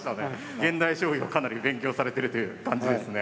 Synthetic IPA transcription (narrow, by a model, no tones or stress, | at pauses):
ɕi̥t̪ane | ɡẽ̞nd̪aiɕo̞ːiokanaɾʲibẽ̞ŋkʲo̞ːsaɾe̞t̪e̞ɾɯ̟t̪o̞jɯ̟ːkãɲ̟d͡ʑid̪e̞sɨne